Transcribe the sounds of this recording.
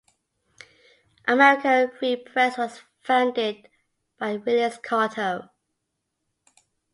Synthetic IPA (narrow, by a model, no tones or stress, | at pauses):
ʔəmɛɹɪkə̃nɹipʰɹ̥ɛswɒz̥ | fãʊ̃ndɪd̚ | b̥aɪwɪljəskʰɑːˑtʰəʊ